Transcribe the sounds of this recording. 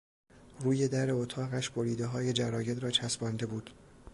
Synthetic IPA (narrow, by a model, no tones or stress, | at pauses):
ruːje̞d̪æɾeot̪ʰɒːɣæʃb̥oɾiːd̪e̞ɦɒːje̞d͡ʒæɾɒːje̞d̪ɾɒːt͡ʃʰæsbɒnd̪e̞buːd̪̥